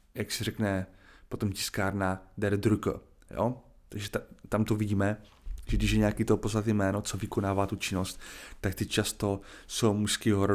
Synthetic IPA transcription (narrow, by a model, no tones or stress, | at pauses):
jaksɪrɛknɛpo̞t̪omcɪ̥skaːɾnadɛɾd̪ɾuk | jo̰ | t̪aɡʒɛt̪at̪amt̪oviɟiːmɛ | ʒɛɡdɪʃjɛɲɛakiːt̪opoznat̪̬ijmɛːnot͡sovɪkonaːvaːt̪ut͡ʃɪnost̪ːakt̪ɪct͡ʃast̪o̞sowmuʃskiɦoɾo